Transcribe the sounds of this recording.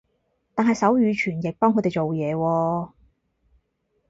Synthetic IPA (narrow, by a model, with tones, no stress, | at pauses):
t̪aː˨nɦɐ˨jsɐ˨˥wjyː˨˧t͡ʃʰyː˨˩njɪ˨k̚pɔː˥ŋʰɵ˨˧t̪e˨jt͡ʃo˨wjɛː˨˧wɔː˧